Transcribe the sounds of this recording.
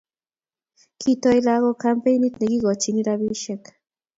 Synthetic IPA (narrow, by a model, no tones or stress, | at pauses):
kʰit̪ojlaɣokampejnit̪neɡiɣot͡ʃiniɾaβiʃek